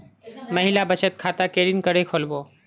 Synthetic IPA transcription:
məɦɪlabət͡ʃət̪̚kʰaːt̪akeːɾɪnkəɾekʰoːlboː

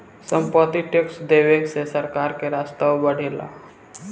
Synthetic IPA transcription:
sə̃mpət̪iʈeksd̪eːʋeksesəɾkaːɾkeɾaːst̪awbəɽ̤eːla̰

